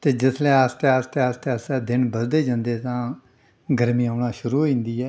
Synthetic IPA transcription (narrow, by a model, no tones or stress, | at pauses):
t̪eːd͡ʒɪsʰlɛ̃ːəst̪eːast̪eəst̪eːəst̪ɛːd̪ɪnbəsd̪eːd͡ʒãːnd̪eːt̪ãː | ɡəɾmĩːaːnaːʃʊɾuːɦoĩːnd̪iːɛː